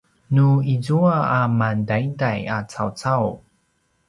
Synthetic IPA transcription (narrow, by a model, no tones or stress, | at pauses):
nuizuaamandaindajat͡sawt͡saw